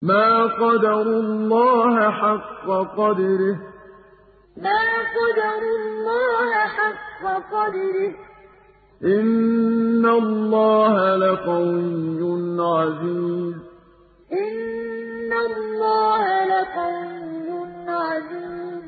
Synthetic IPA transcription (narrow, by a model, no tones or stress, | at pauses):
maːqɑd̪ɑɾʊlːɑːhaħaqːɑqɑd̪ɾɪh | maːqɑd̪ɑɾʊlːɑːhaħaqːɑqɑd̪ɾɪh | ʔɪnː | alːɑːhalakajʊnʕaziːmm | ʔɪnː | alːɑːhalakajʊnːʕaziːmm